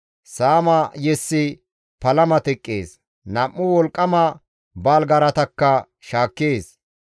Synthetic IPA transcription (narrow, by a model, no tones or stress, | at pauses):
saːmɐjɛsːɪ | pɐlɐmɐt̪ɛkʼːḛːs | nɐmːʊwɔlkʼːɐmɐ | baːlɡɐɾɐt̪ɐkːɐ | ʃaːkːeːs